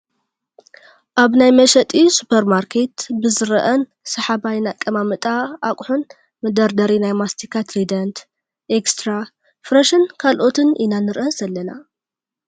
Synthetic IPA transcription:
ʔaβnajmɐʃɐt̪ʼisu̥pʰɐɾmaɾkʰe̞t̪bɨzɨɾɐʔɐn | sɐħabajnakʼːɐmamɨt̪ʼaʔakʼħun | mɨd̪ɐɾd̪ɐɾinajmast̪ʰikʰat̪ɾid̪ɐnt̪ | ʔekst̪ʰɾa | fɾɐʃɨnkʰalʔo̞t̪ʰɨnʔinanɨɾʔɐz̥ɐlːɐna

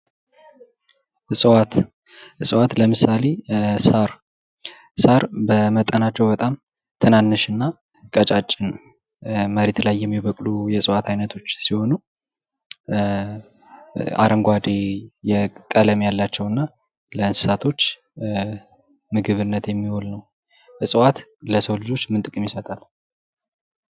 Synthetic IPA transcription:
ɨsʼwat̪ | ɨsʼɨwat̪ləmɨsale̞saɾ | saɾbəmət̪ʼːənat͡ʃːɛwbət̪ʼam | t̪ʰɨnanːɨʃɨnːa | kʼət͡ʃʼat͡ʃʼːɪn | məɾet̪lajːɛmːiβəkʼlujɛsʼɨwat̪ʰajnət̪ʰo̞t͡ʃːsiho̞nu | a̰ɾʔəŋɡʷad̪ejɛkʼələmjalːat͡ʃːɛwɨnːa | ləɨnsɨ̥sat̪ʰo̞t͡ʃː | mɨɡɨβɨnːət̪jɛmːiholnəw | ɨsʼɨwat̪ləsəwlɨd͡ʒo̞t͡ʃːmɨnt̪ʼɨkʼɨmjɪsət̪ʼal

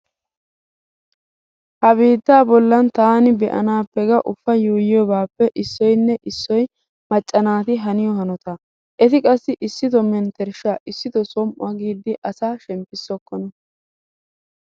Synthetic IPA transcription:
hɐbiːd̪ːaːbɔlːɐnt̪aːnɪbɛʔɐ̰naːpːɛɡɐʔʊfːɐjuːjɪjɔbaːpːɛʔɪsːɔjnːɛʔɪsːɔj | mɐt͡ʃʼːɐnaːt̪ɪɦɐnɪjɔhɐnɔt̪a | ʔɛt̪ɪkʼɐsːɪʔɪsːɪt̪ɔmɛnt̪ɛɾʃaːʔɪsːɪt̪ɔsɔmʔʊ̰ɐɡiːd̪ːɪʔɐsaːʃɛmpːɪsːɔkːɔnɐ

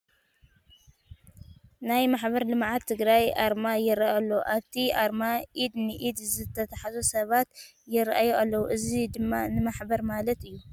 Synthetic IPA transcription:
najmaħbɐɾlɨmʕat̪ʰːɨɡɾajʔaɾmajɪɾaalːowʔaβt̪ʰiʔaɾmaʔid̪nɨʔid̪zɨt̪ʰːɐt̪ʰɐħazosɐβat̪ | jɪɾʔajoʔalːɐwuʔɨzid̪ɨmːanɨmaħbɐɾmalɐt̪ɨjːu

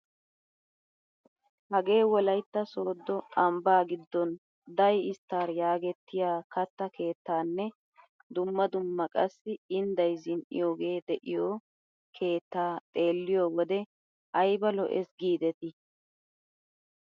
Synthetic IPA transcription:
hɐɡe̞ːwɔlɐjt̪ːɐso̞ːd̪ːɔɐmbaːɡɪd̪ːɔn | d̪ɐjɪst̪ːaːɾjaːɡɛt̪ːɪjaːkɐt̪ːɐkʰe̞ːt̪ːaːnːɛ | d̪ʊmːɐd̪ʊmːɐkʼɐsːɪɪnd̪ɐjzɪnʔɪ̰jo̞ːɡe̞ːd̪ɛʔɪjo | kʰe̞ːt̪ːaːt̪ʼe̞ːlːɪjoːwɔd̪ɛ | ʔɐjbɐlɔʔɛsɡiːd̪ɛt̪ɪ

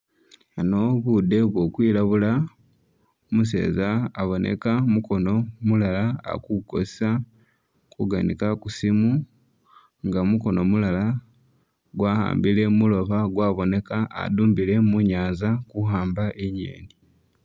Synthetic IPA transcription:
ano̞βud̪e̞βwo̞kwiːlaβula | muse̞̰ːzaːβo̞nʔe̞̰kamuko̞no̞mulalaa̰kuko̞̰ssa | kuɡanḭkakusimu | ŋɡamuko̞no̞mulala | ɡwaha̰ːmbile̞mulo̞βaɡwaːβo̞ne̞ka̰ːduːmbile̞muɲaːzakuhaːmbaʔeɲḛːni

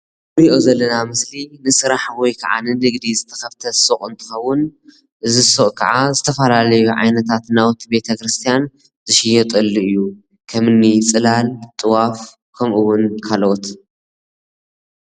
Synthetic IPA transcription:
ɨɾiʔo̞zɐlːɐnamɨslinɨsɨɾaħwɔjkʰaʕa̰nɨnɨɡd̪izɨt̪ʰɐxɐft̪ʰɐsoχʼɨnt̪ʰʼɨ̥xɐwːʊn | ʔɨzisoʔʼkʰɐʕazɨt̪ʰɐfɐlalɐjuʕa̰jnɐt̪ʰat̪nawt̪ʰːibe̞t̪ʰɐkɾɨst̪ʰijan | zɨʃɪjɛt̪ʼɨlːiɨjːu | kʰɐmɨnːit͡sʼɨlalt̪ʼɨwaf | kʰɐmʔɨwʊnkʰalot̪

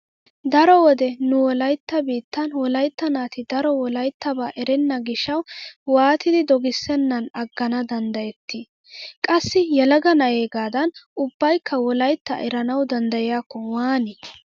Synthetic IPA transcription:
d̪ɐɾɔwɔd̪ɛnʊwɔlɐjt̪ːɐbiːt̪ːɐnwɔlɐjt̪ːɐnaːt̪ɪd̪ɐɾɔwɔlɐjt̪ːɐbaːʔɛɾɛnːɐɡɪʃːɐwwaːt̪ɪd̪ɪd̪ɔɡɪsːɛnːɐnɐɡːɐnɐd̪ɐnd̪ɐjɛt̪ːɪ | kʼɐsːɪjɛlɐɡɐnɐjeːɡaːd̪ɐnʊbːɐjkʰːɐwɔlɐjt̪ːɐ̰ʔɛɾɐnɐwd̪ɐnd̪ɐjɪjaːkːɔwaːnɪ

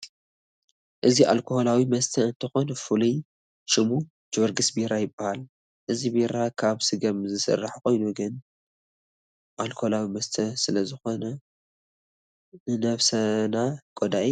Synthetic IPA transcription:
ʔɨziʔa̰lkʰoho̞lawimɐst̪ʰɐɨnt̪ʰɨxo̞nɐfuli | ʃɨmu | d͡ʒoɾɡɨsbiɾajɪbːahal | ʔɨzibiɾakʰaβsɨɡɐmzɨsɨ̰rːaħko̞jnuɡɨn | ʔalkʰoholawimɐst̪ʰɐsɨlɐzɨxo̞nɐ | nɨnɐβsɐnakʼod̪aʔi

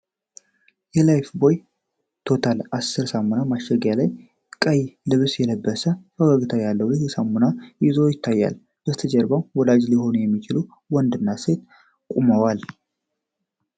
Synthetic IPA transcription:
jɛlajfbo̞j | t̪ʰo̞t̪ʰalasːɨɾsamunamaʃɛɡjalaj | kʼəjlɨβsjɛləbːəsəfəwaɡɨt̪ʰajalːəwjɪhsamunaɪzojɪt̪ʰːajːa̰l | b̥əst̪ʰəd͡ʒɛɾbawwɔlad͡ʒliho̞njɛmːit͡ʃɪlu | wɔnd̪ɨnːase̞t̪ | kʼuməwal

